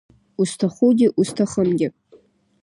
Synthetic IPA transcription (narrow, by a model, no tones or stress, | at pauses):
ustʰaχudʲɪʔustʰaχəmɡʲɪ